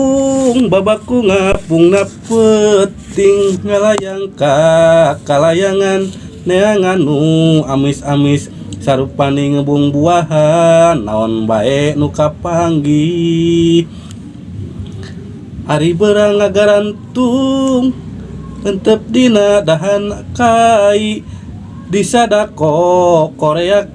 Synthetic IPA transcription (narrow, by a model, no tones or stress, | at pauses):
ŋbabakuŋapuŋnapət̪iŋːalajaŋkakalajaŋanː | eaŋanːuamisamis | saɾupaniŋəbuŋbuaɦanːa̰ɔnba̰ɛʔnukapaŋɡi | aɾibəɾaŋaɡaɾant̪u | ənt̪əp̚dinadaɦanakai | disadakokoɾea